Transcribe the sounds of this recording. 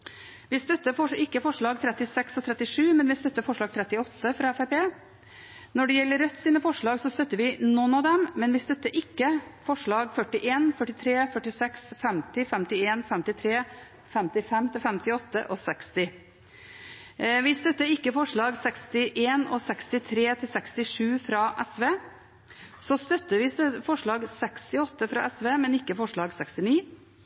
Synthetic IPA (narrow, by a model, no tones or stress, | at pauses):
ʋɪst̪œt̪ːəfɔʂɪkːəfɔʂɭɑːɡ̚t̪ʰɾɛt̪ɪsɛksɔt̪ʰɾɛt̪ːɪʂʉːmɛnʋɪst̪œt̪ːəfɔʂɭɑːɡ̚t̪ʰɾɛt̪ːɪɔt̪ːəfɾɑɛfɛpʰeː | nɔɖɛjɛlːəɾːœt̪ːsiːnəfɔʂɭɑːɡsɔst̪œt̪ːəɾʋɪnɔnɑd̪ɛmmɛnʋɪst̪œt̪ːəɾʔɪkːəfɔʂɭɑːɡfœʈɪʔeːnfœʈɪt̪ʰɾeːfœʈɪsɛksfɛmt̪ɪfɛmt̪ɪeːnfɛmt̪ɪt̪ʰɾeː | fɛmt̪ɪfɛmːt̪ʰɪlfɛmt̪ɪɔt̪ːə̰ʔɔsɛkst̪ɪ | ʋɪst̪œt̪ːəɪkːəfɔʂɭɑːɡsɛkst̪ɪʔeːnɔsɛkst̪ɪt̪ʰɾeːt̪ʰɪlsɛkst̪ɪʂʉːfɾɑʔɛsʋeː | sɔst̪œt̪ːəʋɪst̪fɔʂɭɑːɡsɛkst̪ɪɔt̪ːəfɾɑ̰ʔɛsʋeːmɛnɪkːəfɔʂɭɑːɡsɛkst̪ɪniː